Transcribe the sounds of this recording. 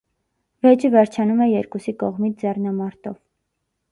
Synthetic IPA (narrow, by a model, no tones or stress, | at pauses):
vɛd͡ʒəvɛɾt͡ʃʰɑnumɛjɛɾkusikɔʁmit͡sʰd͡zɛrnɑmɑɾt̪ɔv